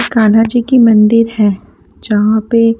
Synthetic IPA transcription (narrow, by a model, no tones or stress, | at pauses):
kaːnad͡ʒikimɐ̃nd̪ɪɾhɛː | d͡ʒɐɦãpe